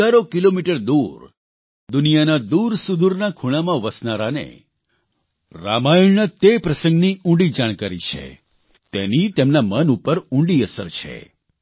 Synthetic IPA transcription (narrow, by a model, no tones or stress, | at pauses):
aɾokilomiʈəɾd̪uɾ | d̪ʊnijanad̪uɾsud̪uɾnakʰuɽ̃amãʋəsnaɾanḛ | ɾa̰maiɭnət̪epɾəsə̃ŋɡniũɳɖid͡ʒaɽ̃kaɾḭt͡ʃʰḛ | t̪enit̪emnamənupəɾũɳɖiəsə̰ɾt͡ʃʰḛ